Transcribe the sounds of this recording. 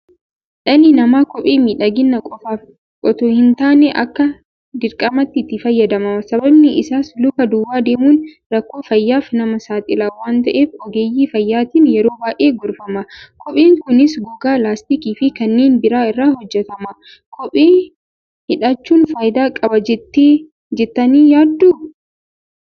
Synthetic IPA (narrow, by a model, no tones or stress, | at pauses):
ᶑɐnɪnɐmaːkɔpʼeːmiːᶑɐɡɪnːɐkʼɔfaːf | kʼɔt̪ʊhɪnt̪aːnɛʔɐkːɐ | d̪ɪɾkʼɐmɐt̪ːɪɪt̪ːɪfɐjːɐd̪ɐmɐmɐsɐbɐbnɪʔɪsaːslʊkɐd̪ʊːwːaːd̪eːmuːn | ɾɐkːo̞ːfɐjːaːfnɐmɐsaːt̪ʼɪlawaːnt̪ɐʔe̞ːfɔɡeːjːiːfɐjːaːt̪ɪːnjɛɾo̞ːbaːʔeːɡʊɾfɐmɐkʰɔpʼeːŋkʊnɪsɡʊɡaːlaːst̪ikiːfɪkɐnːeːnbɪɾaːɪrːaːhɔd͡ʒːɛt̪ɐmɐ | kʰɔpʼeː | hɪᶑɐt͡ʃːuːnfaːjd̪aːkʼɐbɐd͡ʒɛt̪ːe | d͡ʒɛt̪ːɐniːjaːd̪ːuː